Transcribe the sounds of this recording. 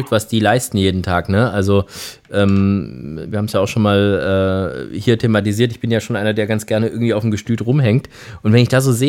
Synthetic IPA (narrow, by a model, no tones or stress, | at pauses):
ʏk̚tvasd̥iːlaɪstn̩jeːdn̩tʰaːknəʔalzoʔɛːmviːɐhaːbm̩sjaːʊxʃoːnmaːlʔɛːhiːɐtʰeːmat̬iziːɐtɪçb̥ɪnjaːʃoːnʔaɪnɐdeːɐɡant͡sɡ̥ɛɐnəɪɐɡŋ̩tv̥iːaʊfm̩ɡəʃtyːtʁʊmɦɛŋk̚t | ʔʊntvɛnɪçd̥aːzoːzeː